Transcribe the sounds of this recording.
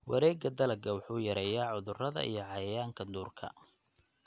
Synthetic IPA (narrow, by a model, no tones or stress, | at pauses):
wɐ̰ɾɛːɡɐd̪ɐlɐɡɐwʊħuːjɐɾɛːjaːʕʊðʊrɐðɐ̰ʔḭjɞʕɑjɐjaːŋkʰɐd̪uːrkʰɐ̰